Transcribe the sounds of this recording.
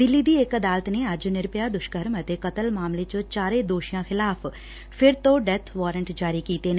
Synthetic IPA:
d̪ɪlːiːd̪iːekəd̪aːlət̪neːəd͡ʒnɪɾpjaːd̪ʊʃkəɾmət̪eːkət̪əlmaːmlet͡ʃõt͡ʃaːɾeːd̪oːʃijãːxɪlaːpʰ | pʰɪɾt̪õːɖɛt̪ʰʋaːɾəɳʈd͡ʒaːɾiːkiːt̪eːn

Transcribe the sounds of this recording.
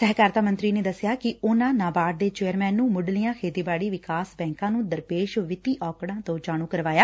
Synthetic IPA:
sɛɦkaːɾt̪ʰaːmə̃nt̪ɾiːneːd̪əsjaːkɪʊnãːnãːbaːʈ̚d̪eːt͡ʃeːəɾmɛ̃ːnːũːmʊɖlijãːkʰeːd̪iːbaːɽiːʋɪkaːsbɛ̃ːŋkãːnũːd̪əɾpeːʃʋɪt̪iːʔɔːkɽãːt̪õːd͡ʒaːɽ̃ũːkəɾʋaːjaː

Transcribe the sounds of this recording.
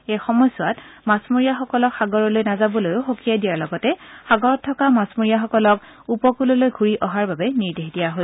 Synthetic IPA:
ejxɔmɔjsʊatmasmoɹijaxɔkɔlɔkxaɡɔɹɔlojnazabɔlojʊxokijajdijaɹlɔɡɔtɛxaɡɔɹɔtʰːɔkamasmuɹijaxɔkɔlɔk | upɔkulɔlojɡʱuɹiʔɔɦaɹbabɛniɹdeɦdijaɦo

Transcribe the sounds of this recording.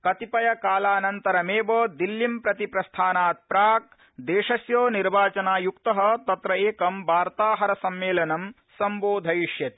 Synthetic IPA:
kɐt̪ipɐjɐkaːlaːnɐnt̪ɐɾɐmeːboːd̪ilːimpɾɐt̪ipɾɐst̪ʰaːnaːt̪̚pɾaːk̚ | d̪eːʂɐsjoːniɾbaːt͡ʃɐnaːjukt̪ɐɦɐ̆t̪ɐt̪ɾɐeːkɐmbaːɾt̪aːɦɐɾɐsɐmːeːlɐnɐm | sɐmboːd̪ʱɐjiʃjɐt̪i̥

